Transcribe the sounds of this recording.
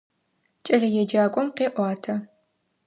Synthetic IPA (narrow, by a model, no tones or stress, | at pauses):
t͡ʃʼɐɮɐjɛd͡ʒaːkʷʼɔmqeːʔʷɑːtʰɐ